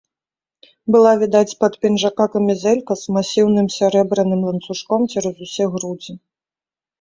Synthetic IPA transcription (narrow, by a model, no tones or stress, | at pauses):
bɨlˠavʲid̪at͡sʲpɐt̪pʲinʐakakɐmʲizɛlʲkɐzmasʲiwnɨmsʲɛɾɛbɾɐnɨmlˠɐnt̪suʂkɔmt͡ʃɛɾɐzusʲɛɣɾud͡zʲi